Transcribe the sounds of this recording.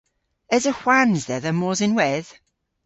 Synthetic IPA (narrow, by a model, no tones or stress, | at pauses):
ɛzəxwanzðɛðəmɔːzɪnwɛð̥